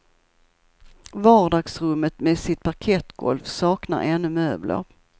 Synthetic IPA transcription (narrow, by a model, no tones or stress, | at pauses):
vɑːɖɑːɡsɾɵmːət̪mesɪt̪̚pʰaɾkʰɛt̪ːɡɔ̰lfsɑːkna̰ɾʔɛnːɵmøːblʔə̰ɾ